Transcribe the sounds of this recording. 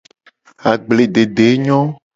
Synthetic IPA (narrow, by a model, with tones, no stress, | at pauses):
a˨ɡ͡ble˨ɖe˨ɖe˨˦ɲɔ̃˦